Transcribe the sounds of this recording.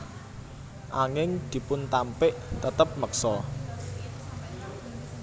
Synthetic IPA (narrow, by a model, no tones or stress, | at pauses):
ʔaŋɪŋd̪̥i̤pʊnt̪ampɪʔt̪ət̪əp̚məksɔ